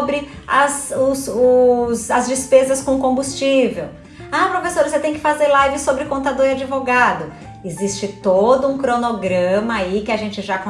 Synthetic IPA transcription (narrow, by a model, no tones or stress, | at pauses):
bɾɪ | ɐzʊsʊsɐzd͡ʒɪspezɐskõkõbust͡ʃivew | apɾofesoɾɐset̪ẽj̃kɪ̥fazeɾlajvɪsobɾɪkõnt̪ad̪oɾad͡ʒɪvoɡad̪ʊ | ɪzist͡ʃɪt̪od̪ʊũkɾonoɡɾɐ̃mɐaikɪaʒẽnt͡ʃɪʒakõ